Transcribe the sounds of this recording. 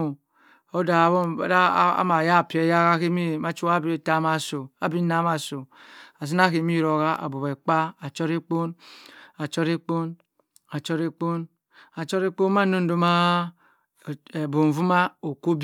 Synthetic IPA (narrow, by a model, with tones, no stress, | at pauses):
o˦da˨bo̰˦˨˦da˦a̰˦ma˨ja˦˨pe˨˦ja˦ɣa˦ke˦mi˦ma˦t͡ʃu˦a˦be˨ta˨˦ma˨so˨a˨bi˦na˨˦ma˨so˨a˨s̬i˦na˦ke˨˦mi˦˨ɾo˨ɣa˦ʔa̰˨bo˨be˨k͡pa˦a˨t͡ʃo˦ɾi˦k͡po˦na˨t͡ʃɔ˦ɾe˦k͡po˦n | a˨t͡ʃo˦ɾe˦k͡po˦n | a˨t͡ʃɔ˦ɾe˦k͡po˦nma˦no˦n˦do˦ma˦˨ | e˨bo˨vu˦ma˦o˨ko˦b